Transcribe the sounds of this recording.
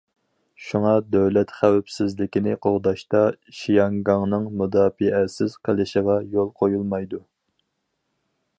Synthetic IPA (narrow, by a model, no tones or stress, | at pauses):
ʃuŋɑd̪øwlɛt̪χæwɛpsɪzlɪkʲinɪqʰoʁd̪ɑʃt̪ɑʃijɑŋɡɑŋnɨŋmud̪ɑːfɨʔɛsɪz̥qʰəlɪʃɪʁɑjolˠqʰojulˠmɑjd̪u